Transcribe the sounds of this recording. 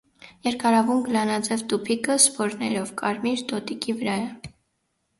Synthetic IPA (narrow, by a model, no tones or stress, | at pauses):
jɛɾkɑɾɑvumɡəlɑnɑd͡zɛvt̪upʰikəspɔɾnɛɾɔvkɑɾmiɾt̪ɔt̪ikivəɾɑɛ